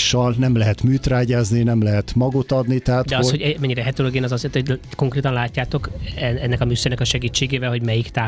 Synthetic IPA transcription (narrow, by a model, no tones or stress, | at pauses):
ʃːɒlnɛmlɛɦɛt̪myːt̪raːɟaːzninɛmlɛɦɛt̪mɒɡot̪ɒd̪nit̪ɛɦatd̪dɛɒoshoɟɛmɛɲːiɾɛɦɛt̪oloɡeːnɒzɒzet̪oko̞ŋkreːt̪ɒnlaːcːaːt̪o̞kɛnɛnːɛkɒmysønɛkɒʃɛɡiːt͡ʃːeːɡeːvɛlɦo̞ɟmɛjikt̪aː